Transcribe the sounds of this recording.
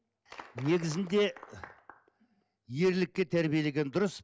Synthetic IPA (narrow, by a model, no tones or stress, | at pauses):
ne̞ɡʲɪzɪnd̪e̞ | je̞ɾlɪk̚ʲːe̞t̪ʰæɾbije̞le̞ɡʲe̞nd̪ʊɾəs